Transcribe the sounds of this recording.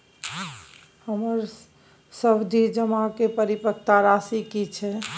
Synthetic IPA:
həməɾ | səbd̪ʱid͡ʒəmakepəɾipəkt̪aɾasikit͡ʃʰɛ

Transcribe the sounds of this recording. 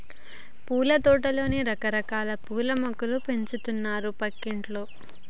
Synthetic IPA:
puːlɐd̪ɔːʈɐlo̞ːniɾɐkɐɾɐkaːlɐpuːlɐmɐkɐlupe̞ɲt͡ʃut̪unːaːɾupɐkːiɳʈloː

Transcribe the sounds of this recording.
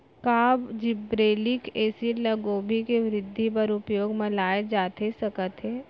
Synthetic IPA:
kaːbd͡ʒɪbɾeːlɪkeːsilɐɡoːbʱikeʋɾɪd̪ʱːipɐɾʊpjoːɡmɐlaːed͡ʒaːt̪esɐkət̪ɦɛː

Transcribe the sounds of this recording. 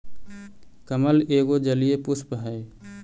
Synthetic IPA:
kəməleːɡod͡ʒəlijepʊspəɦəe

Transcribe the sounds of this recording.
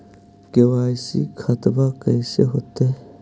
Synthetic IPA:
kewaːjsḭkʰɐt̪bakɐɪseɦoːt̪e

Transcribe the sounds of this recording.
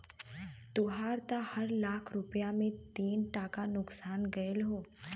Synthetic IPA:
t̪ʊɦaːɾt̪ahɐɾlaːkʰɾʊpjamẽt̪iːnʈaːkanʊksaːnɡɐəlɦoː

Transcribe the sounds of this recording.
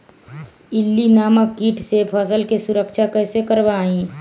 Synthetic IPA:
ɪlːinaːmakːiːʈʰsepʰəːsəlkesʊɾəkʃakɛːsekəɾbaĩː

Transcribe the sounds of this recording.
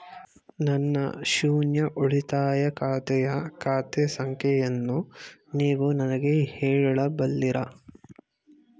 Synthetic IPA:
nɐnːɐ̰ʃuːnjɐʔuɭit̪aːjɐkaːt̪ɛjɐkaːt̪esɐŋkʰjɐjɐnːuniːʋunɐnɐɡeheːɻɐɭɐbɐlːiɾɐ

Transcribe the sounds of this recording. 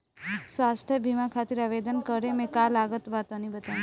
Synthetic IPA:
sʋast̪ʰjəbʱimãkʰat̪iɾaʋed̪ənkəɾemẽkalaɡət̪ʋat̪õnibət̪a

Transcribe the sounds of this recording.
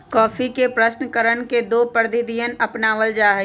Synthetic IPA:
kɔːfikepɾəʃnəkəɾəɳ̃ked̪oːpəɾd̪ʱɪd̪ijənɐpnaːʋəld͡ʒaːɦɛ

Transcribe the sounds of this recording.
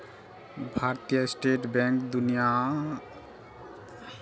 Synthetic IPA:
bʱaɾt̪ijəsʈeʈbɛ̃ŋkd̪unija

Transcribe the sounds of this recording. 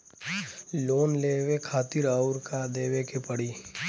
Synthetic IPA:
loːnleːwekʰaːt̪ɪɾaʊɾkad̪eːwekepəɽiː

